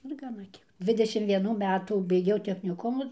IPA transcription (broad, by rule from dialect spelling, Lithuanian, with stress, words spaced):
ɪr ɡɐˈnɐ ˈkʲiɛk ˈdʲʋʲɪdʲɛʃʲɪm ʋʲiɛˈnuː ˈmʲæːtuː bʲɛɪˈɡʲɛʊ tʲɛxʲnʲɪˈkʊmʊ